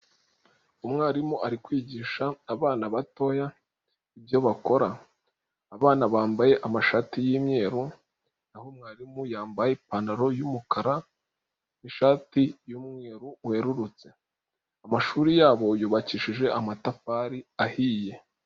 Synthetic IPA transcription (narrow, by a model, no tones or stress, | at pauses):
umŋaːɾimuʔaɾikwiːɟiːʃaːβaːnaβato̞ja | ibjo̞βako̞ɾaː | βaːnaβaːmbaje̞ʔamaʃaːtijiːmɲe̞ːɾu | nahomŋaːɾimujaːmbajepanaɾo̞jumukaɾa | niʃaːtijuːmŋeːɾuhe̞ɾuɾut͡se̞ | amaʃuːɾijaːβo̞juːβaciːʃiʒe̞ʔamatafaːɾiahije̞